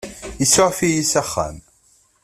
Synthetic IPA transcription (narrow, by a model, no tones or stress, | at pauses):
isoʕfijisæχːæ̰m